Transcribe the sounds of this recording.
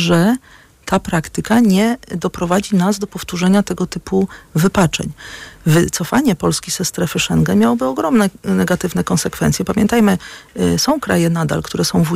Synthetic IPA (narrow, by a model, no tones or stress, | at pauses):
ʐɛ | t̪ʰapɾakt̪ɘkaɲɛd̪ɔpɾɔvad͡ʑinazd̪ɔpɔft̪uʐɛɲat̪ɛɡɔt̪ɘpuvɘpat͡ʂɛ̰ɲvɘt̪sɔfaɲɛpɔlskʲiz̥ɛst̪ɾɛfɘʂɛŋɡɛmʲjawɔbɘɔɡɾɔmnɛnɛɡat̪ɘvnɛkɔnsɛkfɛ̰nt̪sjɛpamʲjɛnt̪ajmɘsɔ̃w̃kɾajɛnad̪a̰lkt̪uɾɛsɔ̃w̃vu